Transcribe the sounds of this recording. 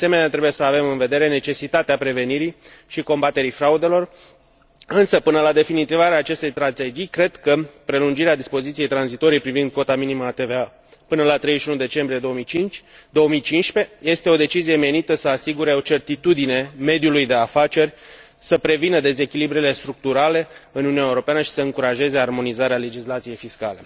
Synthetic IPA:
ase̞me̞neat̪ɾe̞buje̞səave̞mɨnve̞d̪e̞ɾe̞ne̞t͡ʃe̞sit̪at̪eapɾe̞ve̞niɾiʃiko̞mbat̪e̞ɾifɾaud̪e̞lo̞r | ɨnsəpɨnəlad̪e̞finit̪ivaɾeaːt͡ʃe̞st̪ejst̪ɾat̪e̞d͡ʒijkɾe̞d̪kəpɾe̞lund͡ʒiɾead̪ispo̞zit̪sije̞jt̪ɾanzit̪o̞ɾijpɾivind̪̚ko̞t̪aminiməat̪eve̞a | pɨnəlat̪ɾejzəʃiunud̪e̞t͡ʃe̞mbɾije̞d̪o̞omijt͡ʃit͡ʃd̪o̞omijt͡ʃinʃpe̞je̞st̪e̞o̞d̪e̞t͡ʃizije̞me̞nit̪əsəasiɡuɾe̞o̞t͡ʃe̞rt̪it̪ud̪ine̞me̞d̪julujd̪e̞afat͡ʃe̞rʲ | səpɾe̞vinəd̪e̞ze̞kʲilibɾile̞st̪ɾuk̚t̪uɾale̞ɨnununaeuɾo̞peanəʃi̥səɨŋkuɾaʒe̞ze̞armo̞nizaɾeale̞d͡ʒislat̪sije̞jfiskale̞

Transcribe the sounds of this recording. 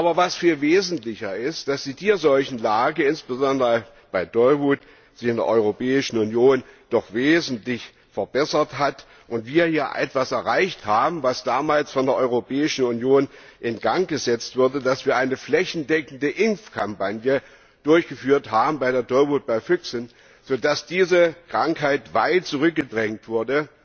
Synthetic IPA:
ʔʔaːbɐvasfiːlveːzn̩tlɪçɐɪst̚d̥asd̥iːdiːɐzɔlçn̩laːɡəɪnsb̥əzɔndəʁə | b̥aɪd̥ɔʏvuːt | z̥ɪçɪndḛɐʔɔʏʁopɛːɪʃn̩unjoːnd̥ɔχveːzn̩tlɪç | fɛɐbɛsɐtɦat | ʔʊntv̥iːɐjiːɐʔɛ̰tv̥asɛɐʁaɪçthaːbm̩vasd̥aːmaːlsfɔndeːɐʔɔʏʁopʰɛːɪʃn̩unjoːnʔɪnɡ̥aŋɡ̥əzɛt͡stv̥ʊɐdədasv̥iːɐʔaɪnəflɛçn̩dɛkn̩dəʔɪmfkʰampanjə | d̥ʊɐçɡ̥əfyːɐthaːbm̩baɪɾeːɐdɔlvut̚b̥aɪfʏksn | z̥oːdasd̥iːzəkʁ̥aŋkɦaɪtv̥aɪt̚t͡suʁ̞ʏk̚ɡ̥ədʁɛŋtv̥ʊɐdə

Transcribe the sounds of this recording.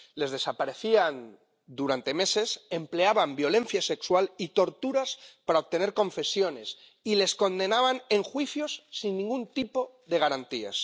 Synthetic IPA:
le̞zðe̞sapaɾe̞θian | d̪uɾant̪e̞me̞se̞se̞mple̞aβambjo̞lẽ̞n̟θjase̞kswalit̪o̞ɾt̪uɾaspaɾaoβ̚t̪e̞ne̞ɾkõ̞ɱfe̞sjo̞ne̞s | ile̞sko̞nd̪e̞naβ̞ane̞ŋxwiθjo̞sːinːĩŋɡunt̪ipo̞ | ðe̞ɣ̞aɾant̪ia̰s

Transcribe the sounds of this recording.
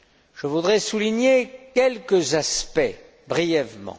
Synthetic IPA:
ʒ̥əvud̪ʁɛsuliɲekʲɛlkəzaspɛ | bʁijɛvmɑ̰̃

